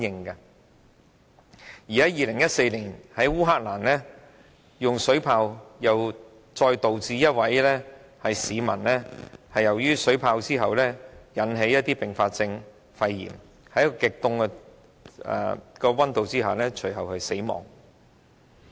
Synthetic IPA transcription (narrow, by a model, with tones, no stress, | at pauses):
njɪ˧ŋkɐ˧ | jiː˨hɐ˨˥jiː˨lɪ˨˩ŋjɐ˥t̚se˧jliː˨˩nhɐ˨˥jwuː˥ɦaː˥k̚laː˨˩nlɛː˥ | jʊ˨ŋsɵ˨˥pʰaː˧wjɐ˨w | t͡sɔː˧jt̪o˨wt͡siː˧jɐ˥t̚wɐ˨˥jlɛː˥hɐ˨jsiː˨˧mɐ˨˩nlɛː˥hɐ˨jɐ˨˩wjyː˥sɵ˨˥ɥpʰaː˧wt͡siː˥ɦɐ˨wlɛː˥jɐ˨˥nɦe˨˥jɐ˥t̪̚iː˥pɪ˨˩ŋfaː˧t̚t͡sɪ˧ŋ | fɐ˧jːḭː˨˩m | hɐ˨˥jkɔ˧kɪ˨k̚t̪ʊ˧ŋkɛ˧ | ɛ̰˨kɔː˧wɐ˥nt̪o˨wt͡siː˥ɦaː˨lɛː˥t͡ʃʰɵ˨˩ɥɦɐ˨whɐ˨jse˨˥jmɔ̰ː˨˩ŋ